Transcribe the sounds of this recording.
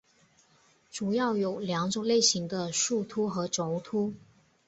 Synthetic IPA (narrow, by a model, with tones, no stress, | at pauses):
ʈ͡ʂu˨˩jɑ˥˩ʊjo˨˩ʊljɑ˧˥ŋʈ͡ʂʊ˨˩ŋle˥˩ɪɕi˧˥ŋd̪ə˧ʂu˥˩t̪ʰu˥xɤ˧˥ʈ͡ʂo˨˥ŋt̪ʰu˥